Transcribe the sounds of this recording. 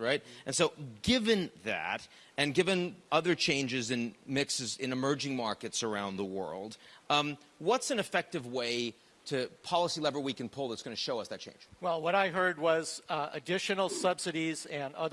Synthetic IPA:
ɹaɪt̚ɨ̃nsoʊɡɪvɨ̃nðæ̰ɾ | ɨ̃nɡɪvɨ̃nʌðə˞t͡ʃʰẽɪ̃nd͡ʒɨzɨ̃nmɪksɨzɨ̃nɨmɜ˞d͡ʒɪ̃ŋmɑɹkɨtsə˞ãʊ̃nðəwɜ̰˞lˠd̥ | wʌtsɨ̃nɨfɛk̚tɨvweɪ | ɾɨpʰɑlˠəsilɛvə˞wikɨ̃n̩pʰʊlˠðətsɡ̥ʌnɨʃoʊʌsðɨt̚t͡ʃʰẽɪ̃nd͡ʒ̥wɛlˠwʌɾaɪɦɜ˞d̚wʌz̥ɨdɪʃɨnl̩ˠsʌb̥sɨɾizɨ̃nʌð

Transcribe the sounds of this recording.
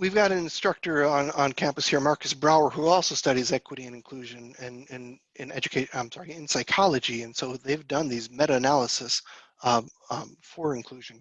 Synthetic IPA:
wivɡɑɾɨ̃nɨ̃nstɹ̥ʌk̚tə˞ə̃nə̃nkʰæ̃mpɨshiɹmɑɹkɨsbɹaʊə˞huɔlˠsoʊstʌɾizɛkwəɾiɨ̃nɨ̃nkʰl̥ʉʒɨ̃nɨ̃nɪ̃n | ɪ̃nɛd͡ʒɨkʰeɪãɪ̃msɑɹiɪ̃nsaɪkʰɑlˠəd͡ʒiɨ̃nsoʊðeɪvdʌ̃nðizmɛɾɨɨnælˠəsɨs | fə˞ɨ̃nkʰl̥ʉʒɨ̃n

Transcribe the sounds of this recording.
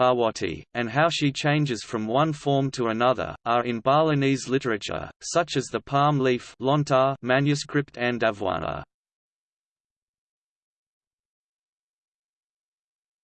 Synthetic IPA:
ɑwɑɾʰḭɨ̃nɦaʊʃit͡ʃʰẽɪ̃nd͡ʒɨz̥fɹʌ̃mwʌ̃nfɔɹmtʰəənʌðə̰ʔə˞ʔɪ̃nbɑlˠənizlɪɾə˞ɨt͡ʃə̰sʌt͡ʃɨzðəpʰɑɹmliflɔ̃ntʰəmæ̃njɨskɹɪp̚tʰɨ̃ndævwɑ̰nə̰

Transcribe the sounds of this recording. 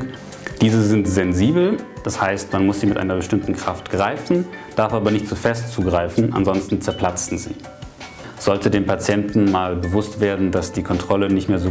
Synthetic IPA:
d̥iːzəzɪntz̥ɛnziːbl̩d̥ashaɪstmanmʊsz̥iːmɪtʔa̰ɪnɐbəʃtɪmtn̩kʁ̥aftɡ̥ʁaɪfn̩d̥aɐfʔaːbɐnɪçtt͡sufɛstt͡suːɡʁaɪfn̩ʔa̰nzɔnstn̩t͡sɛɐpʰl̥at͡sn̩zḭː | z̥ɔltədeːmpʰat͡sjɛntn̩maːlbəvʊstv̥eːɐdn̩dasd̥iːkʰɔntʁ̥ɔlənɪçtmeːɐzoː

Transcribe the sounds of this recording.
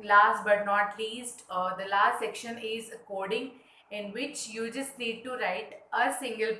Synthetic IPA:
laːsbɐʈnɔːʈliːsʈd̪əlaːsʈsɛkʃə̃nɪzəkɔːɾɖɪ̃ŋ | ɪ̃nʋɪt͡ʃjuːd͡ʒʌsʈniːɖ̚ʈuɾaɪʈəsɪ̃ŋɡəl

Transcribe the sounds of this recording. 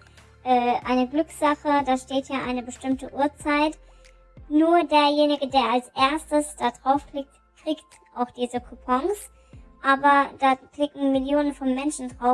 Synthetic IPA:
ʔɛːʔaɪnəɡlʏksz̥aχədaːʃteːtjaːʔaɪnəbəʃtɪmtəʔuːɐt͡saɪt | nuːɐdeːɐjeːnɪɡədeːɐalsʔeɐstəsd̥adʁaʊfkl̥ɪk̚t | kʁ̥iːkt | ʔaʊxd̥iːzəkʰupʰɔŋs | ʔaːbɐd̥aːkl̥ɪkŋ̩mɪljoːnənfɔnmɛnʃn̩dʁaʊf

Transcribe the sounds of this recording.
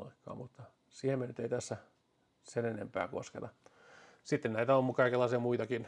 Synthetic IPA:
ɑ̰ikːɑ̰ːmmut̪ːɑ | siːhemːenyt̪eit̪æsːæ | senenḛmpæ̰ːko̰skḛt̪ɑ | sit̪ːennæit̪æolmːukɑikelːɑisiɑmuit̪ɑkin

